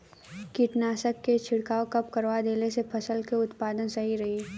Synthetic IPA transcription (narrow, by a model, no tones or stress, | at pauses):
kiʈnaːsəkːet͡ʃʰɪɽkaːokɐp̚kɐɾʋad̪eːlesepʰɐsəlkeʊt̪paːd̪ənsɐɦiɾɐɦi